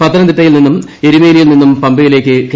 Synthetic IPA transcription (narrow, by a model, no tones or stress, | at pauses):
pɐt̪ːɐɾɐnd̪iʈːɐjilninːum | e̞ɾimeːlijilninːumpɐmbɨɣile̞ːkːɨk